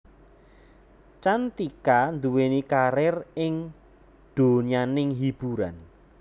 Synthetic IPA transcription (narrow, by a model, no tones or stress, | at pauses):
t͡ʃant̪ikand̪uwenikaɾɪrɪŋ | ɖ̪̥o̤nianɪŋɦib̥uɾa̰n